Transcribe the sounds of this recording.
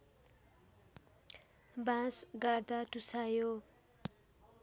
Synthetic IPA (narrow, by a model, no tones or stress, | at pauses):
bãsɡard̪aʈusajo